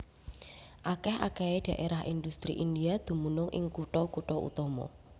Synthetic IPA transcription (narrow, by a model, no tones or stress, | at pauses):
ʔakɛɦa̰kɛeɖ̥a̤ʔeɾaɦʔindust̪ɾḭʔindiad̪̥ṳmunʊŋʔɪ̰ŋkuʈɔkuʈɔʔṵt̪ɔmɔ̰